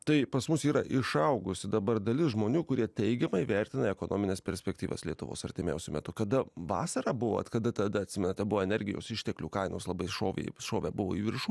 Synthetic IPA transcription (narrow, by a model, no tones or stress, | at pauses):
t̪ɐɪpɐsmʊsiːɾɐʔɪʃɐʊɡʊsʲɪd̪ɐbɐɾd̪ɐlʲɪsʒmoːnʲuːkʊɾʲiɛt̪ʲɛɪɡʲɛmɐɪʋʲɛɾʲt̪ʲɪnɐɛkoːno̰ːmʲɪnʲeːspʲɛɾʲsʲpʲɛkt̪ʲiːʋɐ̰slʲiɛt̪ʊʋo̰ːsɐɾʲt̪ʲɪmʲɛ̰ʊsʲʊmʲɛ̰t̪ʊkɐd̪ɐʋɑ̰ːsɐɾɑːbʊʋo̰ɐ̰t̪kɐd̪ɐt̪ɐd̪ɐɐt̪ʲsʲɪmʲɛnɐt̪ʲɛbʊʋoːɛnʲɛɾʲɡʲɪjo̰ːsɪʃʲt̪ʲɛklʲukɐɪno̰ːslˠɐbɐɪʃoːʋʲḛʃoːʋʲæbʊʋo̰ːiːʋʲɪɾʃuː